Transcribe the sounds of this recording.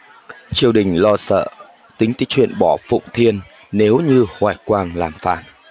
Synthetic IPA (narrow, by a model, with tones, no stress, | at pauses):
t͡ɕi˧˩əwɗï˨˩ŋ̟lɔ˧sə̰ː˧˨ | t̪ï˨˦ŋ̟t̪i˨˦˥t͡ɕwḭ˧˨ənɓɔ˧˩fʊ̰˧˨wŋ͡mt̪ʰi˧ənː | e˨˦wɲɨ˧hwaː˨˩jkwaː˧nlaː˨˩mfa̰ː˧˩n